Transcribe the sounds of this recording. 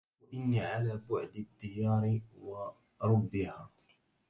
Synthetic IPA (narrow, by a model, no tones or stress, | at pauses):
waʔɪnːiːʕalaːbʊʕd̪ɪt̪ːɪjɑːɾɪwɑ | ɾˤʊbːɪhaː